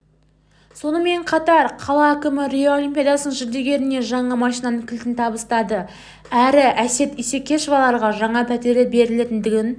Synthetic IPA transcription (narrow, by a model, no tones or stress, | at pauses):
so̞nəme̞ɴqʰɑt̪ɑɾqʰɑlˠɑækʲɪmɪɾʲijoolʲimpʲijad̪ɑsnəɴʒɪɾd̪e̞ɡʲe̞ɾɪne̞ʒɑɴɑmɑʃijnɑnəɴkʲʰɪlt̪ɪnt̪ʰɑbəst̪ɑd̪ə | æɾɪʔæse̞t̪ise̞kʲːe̞ʃovɑlˠɑɾʁɑʒɑɴɑpʰæt̪e̞ɾlebe̞ɾɪle̞t̪ɪnd̪ɪɡʲɪn